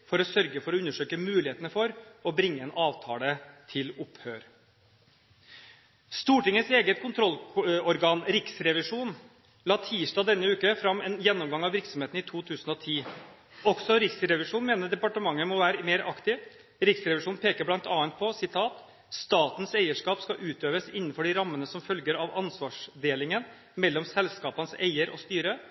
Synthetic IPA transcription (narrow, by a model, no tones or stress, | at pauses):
fɔɾɔsœɾɡəfɔɾɔʉnːəʂøːkəmʉːlɪheːt̪nəfɔɾɔbɾɪŋːəɛnʔɑːʋt̪ʰɑːlət̪ʰɪlʊphøːɾ | st̪uːʈɪŋəseːɡət̪̚kʰʊnt̪ʰɾɔlɔɾɡɑːnɾɪksɾɛʋɪʂuːn | lɑːt̪ʰiːʂʈɑːd̪ɛnːəʉːkəfɾɑmɛːnjɛnːɔmɡɑŋɑʋʋɪɾksɔmheːt̪n̩ɪt̪ʰuːt̪ʰʉːsn̩ɔt̪ʰiː | ɔksɔɾɪksɾɛʋɪʂuːnmeːnəd̪ɛpɑʈəmɑŋːəmɔʋæːɾəmeːɾʔɑkt̪ɪʋ | ɾɪksɾɛʋɪʂuːnpʰeːkəɾblɑnt̪ɑːənt̪̚pʰɔsɪt̪ʰɑːt̪ | st̪ɑːt̪n̩sæɪəʂkɑːpskɑʔʉːt̪øːʋəsɪnːənfɔɖɪɾɑmːənəsɔmfœlɡəɾɑʋɑnsʋɑːʂd̪eːlɪŋən | mɛlːɔmsɛlskɑːpɑnəsḛɪəɾʔɔ̰st̪yːɾə